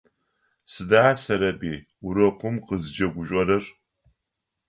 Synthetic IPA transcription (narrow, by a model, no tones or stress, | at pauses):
sɨdaasɐɾɐbiː | ʊɾɐqʷʊmqəzd͡ʒɐɡʷʊɕʷʼɔɾɐr